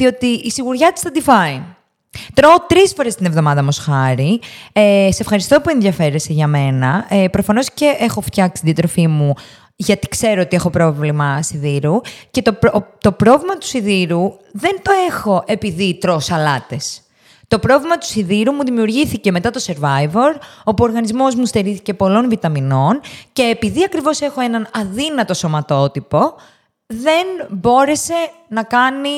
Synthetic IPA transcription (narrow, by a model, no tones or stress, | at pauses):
ðio̞t̪iːsiɣuɾʝɐt̪i̥st̪ɐt̪ifɐi | t̪ɾot̪ɾisfo̞ɾe̞st̪inevðo̞mɐðɐmosxɐɾieseefxɐɾist̪o̞pue̞nðjɐfe̞ɾeseʝɐme̞nɐepɾo̞fɐno̞sce̞ʔexo̞ft̪çɐksi̥t̪d̪jɐt̪ɾo̞fimu | ʝɐt̪i̥kse̞ɾoot̪ie̞xo̞pɾo̞vlimɐsiðiɾuce̞t̪opt̪o̞pɾo̞vlimɐt̪u̥siðiɾuðe̞nt̪o̞e̞xo̞ʔe̞piðit̪ɾosɐlɐt̪e̞s | t̪o̞pɾo̞vlimɐt̪u̥siðiɾumuðimiuɾʝiθice̞me̞t̪ɐt̪o̞se̞ɾvɐjvoɾo̞puo̞ɾɣɐnizmo̞zmust̪eɾiθice̞po̞lo̞nvit̪ɐmino̞nce̞ːpiðiɐkɾivo̞se̞xo̞e̞nɐnɐðinɐt̪o̞so̞mɐt̪o̞t̪ipo̞ | ðe̞nbo̞ɾe̞se̞nɐkɐni